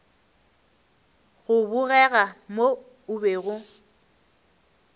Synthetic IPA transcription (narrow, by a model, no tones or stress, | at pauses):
ɣʊbʊɣɛɣamo | ʊbeːɣʊ